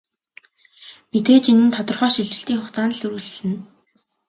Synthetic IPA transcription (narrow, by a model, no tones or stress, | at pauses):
pit̪eːt͡ɕinɘ̆nt̪ʰɔt̪ɞ̆rχœːʃiɮt͡ɕɪ̆ɬt̪iːŋχʊχt͡saːnə̆ɮɵɾŭɮ̆ɮɘ̆n